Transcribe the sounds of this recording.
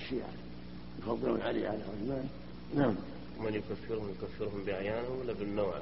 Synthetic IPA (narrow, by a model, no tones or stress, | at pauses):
ʃiʕa̰ | nfɑðˤːɨɾṵnʕalḭʕalaʕʊzmaːn | naʕm | manjʊkafːɪɾhʊmjʊkafːɪɾɦʊmbɪʔaʕjaːnawɪlːabɪnːoːʕ